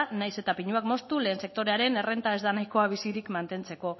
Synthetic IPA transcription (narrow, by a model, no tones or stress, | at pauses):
najse̞t̪apiɲuakmo̞st̪ule̞ːnse̞k̚t̪o̞ɾe̞aɾe̞ne̞re̞nt̪ae̞zðanajko̞aβ̞isiɾikmant̪e̞nt͡se̞ko̞